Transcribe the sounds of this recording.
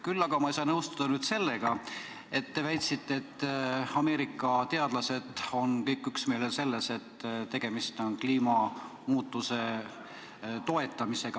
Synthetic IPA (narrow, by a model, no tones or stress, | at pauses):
kylːɑɡ̥ɑmɑejsɑːnɤwst̪ud̪̥ɑnyːd̪̥se̞lːe̞ɡ̥ɑ | e̞t̪ːe̞væjt̪sit̪ːeːt̪ːɑme̞ːɾikːˑɑt̪e̞ɑd̪̥lɑse̞d̪̥o̞nkɤjkːˑyksme̞ːlese̞lːe̞se̞t̪ːt̪ːe̞ɡ̥e̞mist̪o̞nkliːmɑ | muːt̪ːˑuse̞ | t̪o̞e̞t̪ːˑɑmise̞ɡ̥ɑ